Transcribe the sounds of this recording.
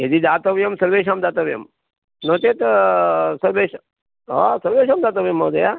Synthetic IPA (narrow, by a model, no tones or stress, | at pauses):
ɦed̪id̪aːt̪ɐʋjɐmsɐɾʋeːʃaːmd̪aːt̪ɐʋjɐ̰m | noːt̪eːt̪ | sɐɾbeːʃ | ɦa̰sɐɾʋeːʃaːmd̪aːt̪ɐʋjɐmːɐd̪ɐjaː